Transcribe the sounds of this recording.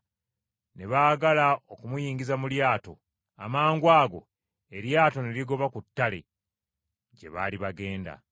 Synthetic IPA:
ne̞βaːɡalao̞kumujiːŋɡizamuljaːto̞̰ | amaːŋɡwaːɡo̞̰ | e̞ɾjaːto̞neliɡo̞βakutːale̞̰ | ɟe̞̰βa̰ːliβaɡe̞ːnda̰

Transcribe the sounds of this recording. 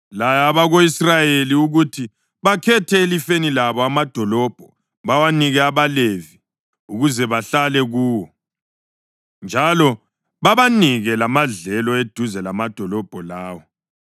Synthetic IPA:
lajaβaɣoisrajeliuɣutʰi | βakʰɛtʰɛelifenilaβɔamad̥ʱɔlɔb̥ʱɔ | βawaniɣɛaβalevi | uɣuzɛβaɬalɛɣuːwɔ | nd͡ʒʱalɔ | βaβaniɣɛlamaɮɛlɔed̥ʱuzɛlamad̥ʱɔlɔb̥ʱɔlaːwɔ

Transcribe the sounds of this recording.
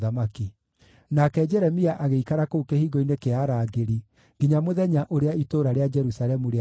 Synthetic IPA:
ðamaki | nakɛd͡ʒɛɾɛmiaʔaɣeikaɾakoukehiɣoinekeaɾaːɡeɾi | ɡiɲamoðɛɲaʔoɾeaitoːɾaɾead͡ʒɛɾusalɛmuɾea

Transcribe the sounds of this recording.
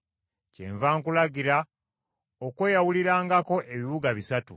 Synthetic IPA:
cḛːɱvaːŋkulaɡiɾa | okwe̞ːjawuliɾaːŋɡako̞ʔe̞βiβuɡaβisatṵ

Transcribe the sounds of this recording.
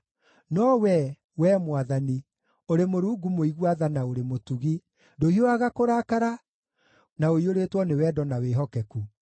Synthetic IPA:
nɔwɛ | wɛmwaðani | oɾemoɾuːɡumoiɣwaðanaoɾemotuɣi | dohioaɣakoɾaːkaɾa | naoioɾeːtwɔnewɛːdɔnaweɦɔkɛku

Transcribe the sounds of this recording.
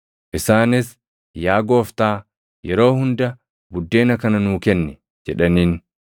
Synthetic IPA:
ʔɪsaːnɪs | jaːɡo̞ːft̪aː | jɛɾo̞ːhʊnd̪ɐ | bʊd̪ːe̞ːnɐkɐnɐnuːkɛnːɛ | d͡ʒɛᶑɐniːn

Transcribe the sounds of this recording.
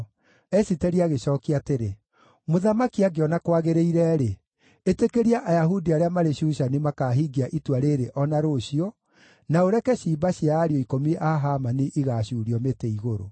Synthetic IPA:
ɛsitɛɾiaɣeɕɔːkiateɾe | moðamakiaɡeɔnakwaɣeɾeiɾɛɾe | etekeɾiaʔajaɦudiaɾeamaɾeɕuʃanimakaɦiɡiaʔitwaɾeɾeʔɔnaɾoɕiɔ | naoɾɛkɛɕiːbaɕiaːɾiɔikomiʔaɦamaniʔiɣaɕuːɾiɔmeteiɣoɾo̰

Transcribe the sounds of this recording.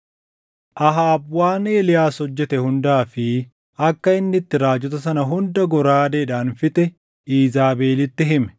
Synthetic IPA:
ʔɐɦaːbwaːneːlɪjaːshɔd͡ʒːɛt̪ɛhʊnd̪aːfɪ | ɐkːɐɪnːɪt̪ːɪɾaːd͡ʒɔt̪ɐsɐnɐɦʊnd̪ɐɡɔɾaːd̪ɛːᶑaːnfɪt̪ʼɛ | iːzaːbeːlɪt̪ːɪɦɪmɛ̥

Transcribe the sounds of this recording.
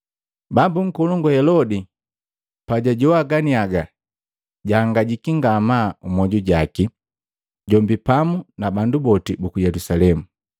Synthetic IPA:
bambuŋ̩kɔluŋɡuhɛlɔdi | paɟaɟɔwaɡaniaɡa | ɟaːŋɡaɟikiŋɡamaumɔɟuɟaki | ɟɔmbipamunabandubɔtibukujɛlusalɛmu

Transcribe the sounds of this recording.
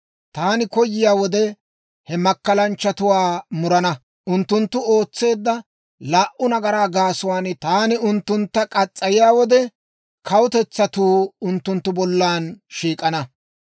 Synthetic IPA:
t̪aːnɪkɔjːɪjaːwɔd̪ɛ | hɛmɐkːɐlɐnt͡ʃːɐt̪ʊwaːmʊɾɐnɐ | ʔʊnt̪ːʊnt̪ːʊo̞ːt͡sːe̞ːd̪ːɐ | laːʔʊnɐɡɐɾaːɡaːsʊwaːnt̪aːnɪʊnt̪ːʊnt̪ːɐkʼɐt͡sʼːɐjɪjaːwɔd̪ɛ | kʰɐwʊt̪ɛt͡sːɐt̪uːʊnt̪ːʊnt̪ːʊbɔlːaːnʃiːkʼɐnɐ

